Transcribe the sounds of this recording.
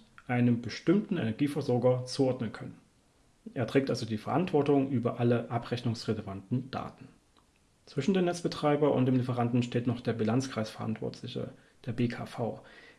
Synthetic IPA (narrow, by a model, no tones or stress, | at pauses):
ʔaɪnəmbəʃtɪmtn̩ɛ̰nɛɐɡiːfɛɐzɔɐɡɐt͡suːʔɔɐdnənkʰœnən | eːɐtʁ̥ɛːktʔalzodiːfɛɐʔantv̥ɔɐtʊŋʔyːbɐʔaləʔapʁ̥ɛçnʊŋsʁelɛvantn̩d̥a̰ːtn̩ | t͡sv̥ɪʃn̩deːmnɛt͡sb̥ətʁ̥aɪbɐʔʊ̰ntd̥eːmlifəʁ̞andn̩ʃteːtnɔχd̥eːɐbilant͡skʁ̥aɪsfɛɐʔa̰ntv̥ɔ̰ɐtʰlɪçə̰ | d̥eːɐbeːkʰa̰ːfaʊ